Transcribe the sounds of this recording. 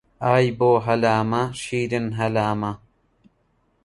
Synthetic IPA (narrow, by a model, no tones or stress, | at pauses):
aːjboːɦɐlaːmɐʃiːdɨnɦɐlaːmɐ